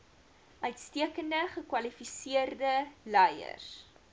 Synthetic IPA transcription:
ʔœɥtstiəkəndəχəkwɐlifisiərdəlɛjə̰r

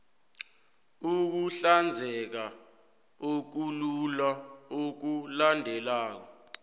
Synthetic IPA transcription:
uk̬uɬand͡zʱɛk̬a | ok̬ululaok̬ulandʱɛlaːk̬ɔ

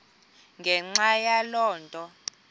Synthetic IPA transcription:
ŋɡʱɛŋ͡ǁajalɔːntʼɔ

